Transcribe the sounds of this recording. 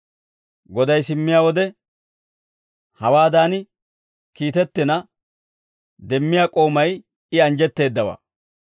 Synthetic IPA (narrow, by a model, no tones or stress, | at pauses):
ɡɔd̪ɐjsɪmːɪjaːwɔd̪ɛ | hɐwaːd̪aːn | kiːt̪ɛt̪ːɪnɐ | d̪ɛmːɪjaːkʼo̞ːmɐj | ɪɐnd͡ʒɛt̪ːe̞ːd̪ːɐwɐ̰ː